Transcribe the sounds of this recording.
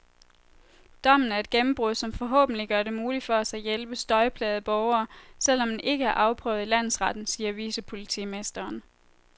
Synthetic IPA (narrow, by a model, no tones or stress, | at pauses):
d̥ɒ̽m̰n̩æɐe̝d̥̚ɡ̥emm̩b̥ʁuðˠsɒ̽mfɒ̽ɦɔ̰̽ːb̥n̩liɡ̥ɶɐɾe̝muːli̥fɒ̽æsɑ̈ɪjelb̥əsd̥ɒ̽ɪpʰlɛ̰ːð̩ˠb̥ɒʊɐːsel̰ɒ̽mdenʔe̝ɡ̥əæɐʔɑ̈ʊpʰʁœ̰ːʊð̩ˠilæn̰ð̩sʁɑd̥n̩siːɐʋiːsəpʰo̝lit͡sʰḭːmesd̥ɐːn